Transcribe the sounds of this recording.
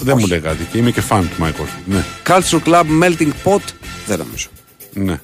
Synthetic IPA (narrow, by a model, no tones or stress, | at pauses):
ðemuleɣaðiceimecefank̪majkosunekalsulklabmelt̪iŋɡpot̪ðenɐ̰mḭzo̥ | ne